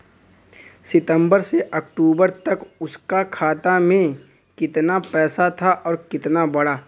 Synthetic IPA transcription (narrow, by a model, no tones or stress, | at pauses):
sɪt̪ə̃mbəɾseʔɐkʈuːbəɾt̪ɐkʊskakʰaːt̪amẽ | kɪt̪napɛːsat̪ʰaʔɔːɾkɪt̪nabɐɽaː